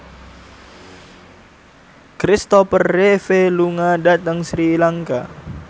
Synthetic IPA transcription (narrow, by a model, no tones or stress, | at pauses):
kɾist̪ɔpərːefeluŋadat̪aŋsɾilaŋka̰